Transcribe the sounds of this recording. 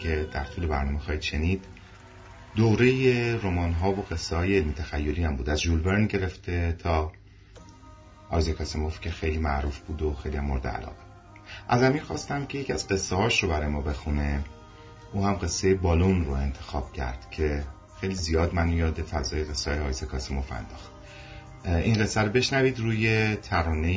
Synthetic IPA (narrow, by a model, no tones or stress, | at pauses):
e̞d̪̥æ̰ɾt̪ʰuːle̞bæɾnɒːmexɒːid̪ʃe̞niːd̪̥ | d̪owɾe̞jeɾomɒːnɦɒːvoɣe̞sːehɒːjeːlmit̪ʰæxæjːoliːæmbuːd̪æzʒulbe̞ɾnɟe̞ɾe̞ft̪ʰet̪ʰɒː | ʔɒjzekʰɒsemo̞fcʲʰe̞xe̞jliːmæʔɾuːfb̥uːd̪oxe̞jlihæmːoɾd̪ḛæ̰lɒ̰ːɣe | ʔæzæmiːɾxɒ̰ːst̪æmcʰeje̞cʰiæzɢe̞sːehɒːʃɾo̞bæɾɒːjemɒːbe̞xune̞ | ʔuːhæmɢe̞sːejebɒːlunroe̞nt̪ʰe̞xɒːb̥cʰæ̰ɾd̪̥cʰe̞ | xe̞jlizijɒːd̪mænujɒːd̪e̞fæzɒːjeɣesːɛɒːjeɒːjzekʰɒsemo̞fæ̰nd̪ɒːxt̪ | inɢe̞sːæɾobe̞ʃnæviːd̪ruːje̞t̪ʰæɾɒːne